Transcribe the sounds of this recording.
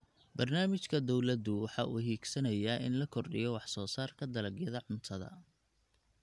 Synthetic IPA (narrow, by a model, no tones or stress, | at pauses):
bɐrnaːmɪt͡ʃkʰɐd̪ɔwlɐd̪ʊwɑħɑːʔṵːɦiːɡsɐnɐjaːʔɪ̰nlɐkʰɔrɖɪ̰jɔwɑħsɔːsaːrkʰɐd̪ɐlɐɡjɐðɐʕʊnt̪ʰɐðɐ̰